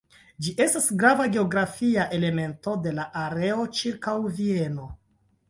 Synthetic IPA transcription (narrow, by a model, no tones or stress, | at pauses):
d͡ʒiʔe̞stasɡɾavaɡe̞o̞ɡɾafiaʔe̞le̞me̞nto̞de̞laʔaɾe̞o̞t͡ʃiɾkawvie̞no̞